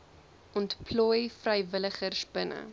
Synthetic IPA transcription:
ʔɔntpʰlɔjfrəjvələχərsbənə̰

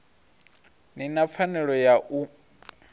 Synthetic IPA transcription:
ninap̪fʰanɛɺɔjaʔu

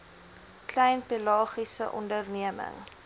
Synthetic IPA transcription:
klɛjnpilɑːχisəʔɔ̰ndərniəmə̰ŋ

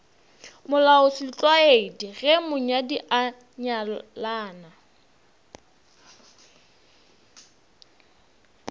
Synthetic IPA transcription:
mʊlaʊsit͡ɬʼwaeidiɣɛmʊɲadiʔa | ɲalaːna

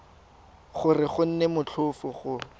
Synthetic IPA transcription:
χʊrɪχʊn̩nemʊt͡ɬʰʊfʊχʊ

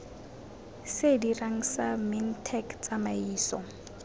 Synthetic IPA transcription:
sediraŋ̩samɪn̩tʰɛkt͡sʼamaiːsɔ

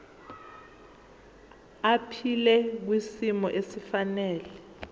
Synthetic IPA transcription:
apʰilɛk̬wisimɔʔesifanɛːlɛ

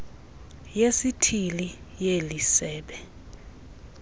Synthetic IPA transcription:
jesitʰili | jelisɛːɓɛ

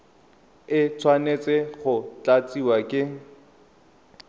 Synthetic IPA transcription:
ɪt͡sʰwanet͡sʼɪχʊt͡ɬat͡sʼiwakʼɪ

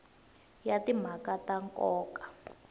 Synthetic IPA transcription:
jatim̤akataŋkʼɔːkḁ

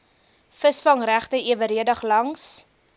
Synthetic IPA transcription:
fəsfɐŋræχtəʔiəvəɾiədɐχlɐŋs

